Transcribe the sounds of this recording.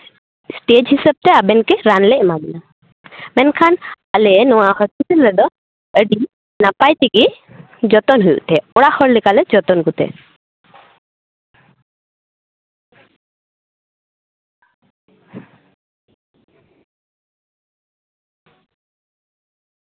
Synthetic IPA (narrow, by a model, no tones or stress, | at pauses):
sʈed͡ʒɦisəb̚t̪ɛabɛnkɛɾanlɛʔmabina | mɛnkʰan | alɛnɔwahɔspiʈəlɾɛd̪ɔ | əɖi | napajt̪iɡi | d͡ʒɔt̪ɔnɦujṵʔt̪ʰɛɔɽaxʰɔɾlikalɛd͡ʒɔt̪ɔnɡut̪ɛ̰